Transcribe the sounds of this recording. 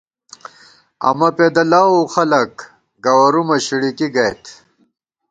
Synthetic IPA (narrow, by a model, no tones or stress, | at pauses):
ɐ̰mɐped̪ɐlaːoxɐlɐk | ɡɐwɐɾumɐɕiɽikiɡɐjt̪ʰ